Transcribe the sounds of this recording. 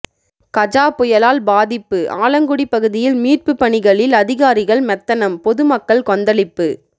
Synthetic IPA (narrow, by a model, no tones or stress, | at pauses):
kɐd͡ʒaːpʊjɐlaːlbaːðɪpːɯʔaːlɐŋɡʊɽipːɐɣɯðɪjɪlmiːr̚pɯpːɐɳɪɣɐɭɪlɐðɪɣaːɾɪɣɐɭmɛt̪ːɐnɐmpɔðɯmɐkːɐɭkɔnd̪ɐɭɪpːɯ